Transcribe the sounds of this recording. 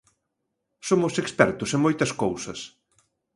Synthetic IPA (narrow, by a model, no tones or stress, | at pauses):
somʊsekspɛɾt̪ʊsemojt̪ɐskowsɐs